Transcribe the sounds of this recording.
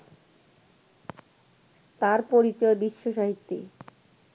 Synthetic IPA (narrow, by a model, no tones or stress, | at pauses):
t̪aɾpoɾit͡ɕɔebiʃːoʃaɦit̪ːi